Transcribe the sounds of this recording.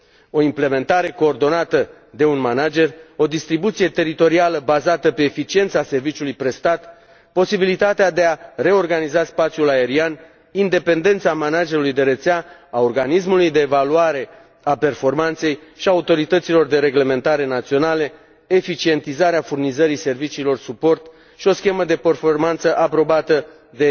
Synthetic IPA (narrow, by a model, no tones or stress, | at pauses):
o̞imple̞mẽ̞nt̪aɾe̞ko̞ːrd̪o̞nat̪ə | d̪e̞unmanad͡ʒe̞ro̞d̪ist̪ɾibut̪sije̞t̪e̞ɾit̪o̞ɾialəbazat̪əpe̞ːfit͡ʃie̞nt̪sase̞rvit͡ʃulujpɾe̞st̪at̪ | po̞sibilit̪at̪ead̪e̞are̞o̞rɡanizaspat̪sijulae̞ɾian | ind̪e̞pe̞nd̪e̞nt̪samanad͡ʒe̞ɾulujd̪e̞ɾet̪seaaorɡanis̬mulujd̪e̞ːvaluaɾe̞ | ape̞rfo̞rmant̪se̞jʃiaut̪o̞ɾit̪ət̪silo̞rd̪e̞ɾe̞ɡle̞me̞nt̪aɾe̞nat̪sio̞nale̞ | efit͡ʃie̞nt̪izaɾeafurnizəɾise̞rvit͡ʃiːlo̞rsupo̞rt̪ | ʃio̞skʲe̞məd̪e̞pe̞rformant̪səʔapɾo̞bat̪ə | d̪e̞